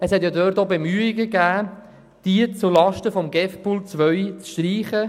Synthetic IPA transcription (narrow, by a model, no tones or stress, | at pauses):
əshɛtjɑdœɾtobemyːɪɡəɡæː | d̥iət͡sulɑʃtəfɔmɡɛfpult͡sʋœɥt͡sʃtriːχə